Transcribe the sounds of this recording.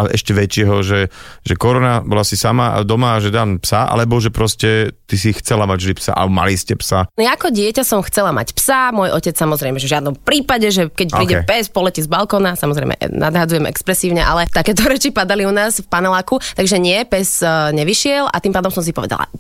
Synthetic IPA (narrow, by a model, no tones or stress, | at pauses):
alɛʔɛʃcɛʋɛt͡ʃɪɛɦɔʒɛʒɛkɔɾɔnabɔlasisamaa̰d̪ɔmaʒɛd̪aːmpsaʔa̰lɛbɔʒɛpɾɔscɛt̪isixt͡sɛlamaɟʒd̪ipsa̰a̰lɛbɔma̰liscɛpsanjaakɔɟɪɛcasɔmxt͡sɛlama̰cpsamʊɔjʔɔcɛt͡ssamɔzɾɛjmɛʒɛvʒɪad̪nɔmpɾiːpaɟɛʒɛkɛc̚pɾiːɟɛpɛspɔlɛcizbalkɔnasamɔzɾɛjmɛ̰nʔa̰d̪ɦad͡zujɛmɛ̰kspɾɛsiːʊɲɛʔa̰lɛt̪akɛːt̪ɔɾɛt͡ʃipad̪aliunaːzfpanɛlaːkut̪aɡʒɛɲɪɛpɛzɲɛʋiʃɪɛlʔa̰t̪iːmpaːd̪ɔmsɔms̬ipɔʋɛ̰d̪a̰la̰